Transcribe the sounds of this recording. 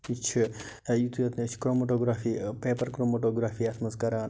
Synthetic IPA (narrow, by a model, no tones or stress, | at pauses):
it͡ʃʰi | jut̪ʰujɐt̪net͡ʃʰkɾomoʈoɡɾafipepəɾkɾomoʈoɡɾafiasmɐskɐɾaːn